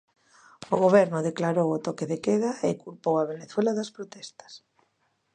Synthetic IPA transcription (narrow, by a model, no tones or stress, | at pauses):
oɣoβ̞ɛɾnʊðeklaɾowʊt̪okeðekeðaɪkulpowaβ̞eneθwɛlaðɐspɾot̪ɛst̪ɐ̥s